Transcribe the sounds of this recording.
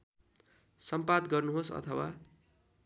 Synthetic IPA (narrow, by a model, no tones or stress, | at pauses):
sʌmpad̪ɡʌrnuɦosʌ̰t̪ʰʌwa